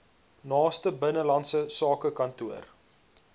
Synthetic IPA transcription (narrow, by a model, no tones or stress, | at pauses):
nɑːstəbənəlɐntsəsɑːkəkɐntuər